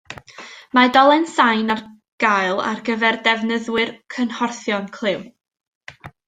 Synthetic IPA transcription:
madɔlˠɛnsajnar | ɡ̥ajlˠa̰rɡəvɛrdɛvnəðwɨrkʰənhɔrθjɔnkʰl̥ˠɨw

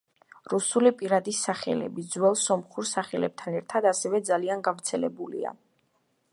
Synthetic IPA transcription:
ɾusulipʼiɾad̪isaχɛ̰lɛ̰bid̪zwɛlˠsɔmχuɾsaχɛlɛb̚t̪ʰanɛɾt̪ʰad̪asɛvɛd̪zalianɡavɾt̪sʰɛlɛbulḭa̰

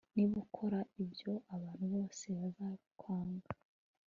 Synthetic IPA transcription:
niβukʰo̞ɾaibjo̞ʔaβaːn̥huβo̞ːse̞βazaβikʰwaːŋɡḁ

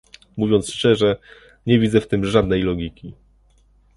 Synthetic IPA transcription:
muvʲjɔnt̪sʂt͡ʂɛʐɛ | ɲɛvʲid̪zɛft̪ɘmʐad̪nɛjlɔɡʲikʲi

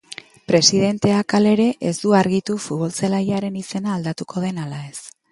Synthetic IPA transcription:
pɾe̞siðe̞nt̪e̞akale̞ɾe̞ʔezd̪uaɾɣit̪ufut̪βo̞lt͡selajaɾe̞nise̞naːld̪at̪uko̞ð̞e̞nalae̞s

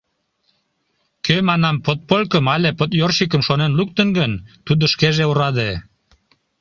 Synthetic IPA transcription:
kømɑnɑmpot̪̚polʲkəmɑlʲepot̪jorʃik̬əmʃonenluk̚t̪ənɡənt̪ud̪əʃkeʒeuɾɑd̪e

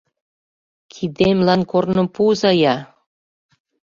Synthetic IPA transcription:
kʰid̪emlɑnkornɤ̆mpuzɑjɑ

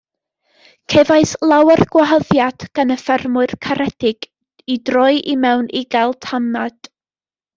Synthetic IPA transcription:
kʰevaɨslˠawərɡwaɦəðjad̥ɡ̥anəfɛrmʊɨrkʰaɾɛd̥ɪɡ̥ | idrɔjʔimɛwniɡalˠtʰamad̥

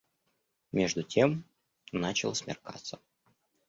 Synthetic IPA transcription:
mʲeʐd̪ʊtʲʰem | nat͡ɕɪlˠəsmʲɪ̰rka̰t̪sːə

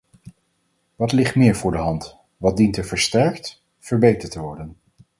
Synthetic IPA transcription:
ʋɑtlɪχtmɪːɹvʊːɹdəɦɑnt | ʋɑt̚dintəɹvəɹstɛɹkt | fəɹbejtəɹtəʋɔɹdən

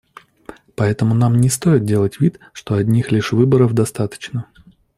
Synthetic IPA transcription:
pɐɛt̪əmʊnamnʲɪst̪o̞ɪt̪̚dʲe̞lˠətʲvʲit̪ | ʂt̪o̞ɐdʲnʲixlʲɪʂvɨbəɾəvd̪ɐst̪at̪ə̥t͡ɕnə

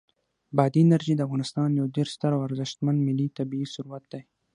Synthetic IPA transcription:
bɑd̪inaɾʒid̪əafɣɑnɪst̪ɑnjawd̪eɾst̪aɾawaɾzɪʃt̪mand̪mɪlːit̪abiisʊɾuwat̪̚d̪aj

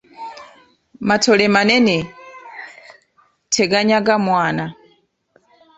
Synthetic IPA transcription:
matʰɔlɛmanɛnɛ | tʰɛɡaɲaɡamwaːna

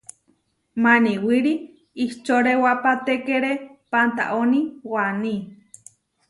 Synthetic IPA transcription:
maniwiɾi | iht͡ʃoɾewapat̪ekeɾepant̪a̰ʔoniwani

